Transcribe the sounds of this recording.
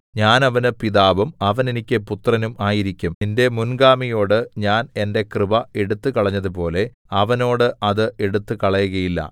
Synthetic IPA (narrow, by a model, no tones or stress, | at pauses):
ɲaːnɐʋɐnɨpiðaːʋumɐʋɐnenikʲːɨput̪ːrɐnumʔaːjiɾikʲːumende̞munɡaːmijo̞ːɽɨɲaːne̞nde̞krɨbɐe̞ɽut̪ːɨkɐɭɐɲːɐðupo̞ːle̞ | ɐʋɐno̞ːɽɨʔɐðɨe̞ɽut̪ːɨkɐɭɐjuɣɐjilːɐ̰